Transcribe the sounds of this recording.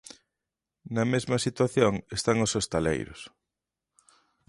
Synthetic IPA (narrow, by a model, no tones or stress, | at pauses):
nɐmezmɐsit̪waθjoŋest̪aŋʊsost̪alḛjɾʊ̰s